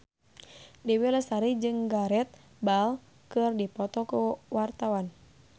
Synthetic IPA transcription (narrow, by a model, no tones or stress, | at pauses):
diwiləsaɾid͡ʒɨŋɡaɾɛt̪̚ | bal | kɨrdipɔt̪ɔkuwart̪awan